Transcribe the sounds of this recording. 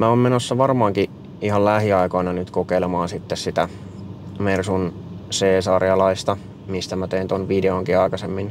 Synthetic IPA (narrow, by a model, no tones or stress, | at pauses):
mæoːmmenosːɑʋɑrmɑːŋki | iɦɑllæhiɑikoinɑnyt̪kokeilemɑːnsit̪ːessit̪æ | mersun | seːsɑrjɑlɑist̪ɑ | mist̪æmæt̪eint̪onʋideoŋkiɑikɑsemːin